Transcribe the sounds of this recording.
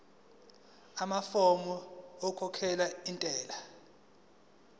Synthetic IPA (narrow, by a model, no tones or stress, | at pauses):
amafɔmɔɔkʰɔkʰɛlaintʼɛːla